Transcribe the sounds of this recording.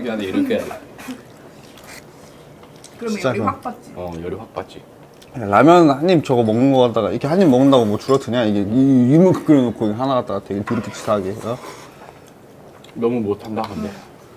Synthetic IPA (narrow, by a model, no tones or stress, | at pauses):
ɡianeiɾʌkʰea̰ | t͡ɕi̥t͡ɕ͈akɯt͡ɕjʌɾiɸak̚p͈at͡ɕ͈i | alamjʌnnhaɲːimt͡ɕʌɡʌmʌŋnɯnɡʌk͈at͈̚aɣaiɾkʰe̞haɲːimːʌŋɯndaɡomwʌt͡ɕuɾʌtʰɯɲaiɡeijumɯkɯ̥p̚k͈ɯɾenokʰoiɡeɦanaɡat͈aɡatʰeɡetuɾɯk͈ʰɯt͡ɕ͈ʰi̥tʰaɡeʌ | nʌmumotʰandakʰɯnde